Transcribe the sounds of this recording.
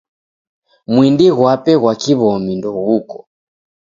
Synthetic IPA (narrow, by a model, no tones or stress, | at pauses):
mwindiɣwapɛɣwakiβɔmindɔɣukɔ̥